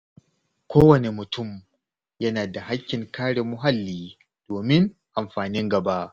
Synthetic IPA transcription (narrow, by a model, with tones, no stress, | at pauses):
kʷʰoː˦wɐ˨ne˨mʊ˨tʊ˦˨m | jɐ˦naː˨da˨ha˦kʲːɪ˨ŋkaː˦ɽeː˨mʊ˦ɦa˦lːiː˨˦ | d̥oː˨mɪ˦ŋʔa˨mɸaː˨nɪ˦ŋɡɐ˨ba˦ʔ